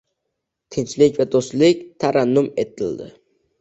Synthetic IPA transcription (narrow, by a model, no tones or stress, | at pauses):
t̪ʰɪnt͡ʃlɪkʲvad̪ost̪lɪk̚ʲt̪ʰaɾanːʊme̞t̪ʰɪld̪ɪ̰